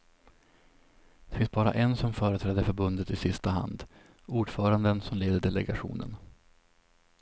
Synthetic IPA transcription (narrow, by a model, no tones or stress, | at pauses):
d̪̥ɛfɪnsbɑːɾa̰ʔɛnsɔmfœːɾət̪ʰɾɛːd̪əɾfœɾbɵnd̪ət̪ɪsɪst̪aɦa̰nd̪ | uːɖfœːɾand̪ənsɔmleːd̪əɖɛlɛɡaɧṵːnə̰n